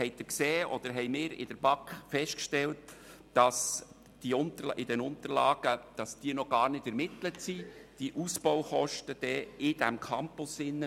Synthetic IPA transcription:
hɛɪd̪ɪkseːʔɔ̰d̥̪əɾɦɛɪmɪːɾɪ̰d̥əɾbɑkχfɛʃtkʃtɛlt | d̥ɑs | d̥iʊnt̪əʔɪd̥ɛnʊnt̪əɾlɑ̰ːɡ̥əd̥ɑsd̥iənɔɡ̥ɑːɾnɪdɛɾmɪt̪lətsid̥iʔusb̥ɔwχɔʃtəd̥ɛɪd̥æmkʰɑmpʊsɪnːə

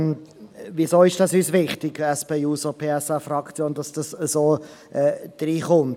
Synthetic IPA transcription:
visoːɪʃd̥ɑsyːsvɪχtɪɡ̥ɛspeːuːsopʰeːɛsafrɑkt͡sjoːndɑsd̥ɑsəsoː | ʔɛːd̪̥riːχʊnt

